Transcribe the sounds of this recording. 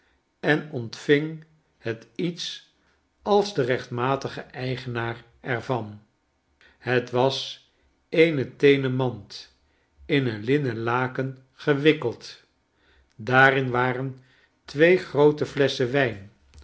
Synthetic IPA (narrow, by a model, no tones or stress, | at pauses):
ɛnɔntfɪŋ | hətits | ɑlˠzdərɛχtmaːtəχəʔɛjχənaːr | ɛrvɑn | hətʋɑs | ejnətejnəmɑnt | ɪnənlɪnəlaːkən | χəʋɪkəlˠt | daːrɪnʋaːrən | tʋejχrowtəflɛsəʋɛjn